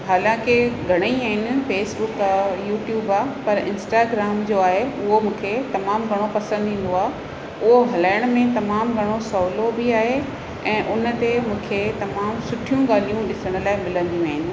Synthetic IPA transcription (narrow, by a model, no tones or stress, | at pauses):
ɦaːlãːkɪɡʱɐɽ̃əiaːɦɪnɪ̆feːsbʊkajuːʈjuːbaːpɐɾɪ̃nsʈaːɡɾaːmd͡ʑoːaːɦeʊɦomũːkʰet̪ɐmaːmɡʱɐɽ̃opɐsə̃nd̪ĩːn̆d̪oaːɦ | ʊɦoɦɐlaːɪəɽ̃mẽt̪ɐmaːmɡʱɐɽ̃osɔːlobɪaːɦe | ɛ̃ːʔʊnə̆t̪emũːkʰet̪ɐmaːmsʊʈʰijũɠaːl̤ijũɗɪsəɽ̃ʊ̆laːɪmɪlə̃nd̪iũaɦɪn